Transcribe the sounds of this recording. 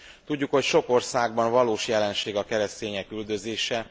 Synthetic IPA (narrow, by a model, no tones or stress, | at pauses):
t̪uɟːukho̞cʃo̞ko̞rsaːɡbɒɱvɒloːʃjɛlɛnʃeːɡɒkɛɾɛst̪eːɲɛkyld̪øzeːʃɛ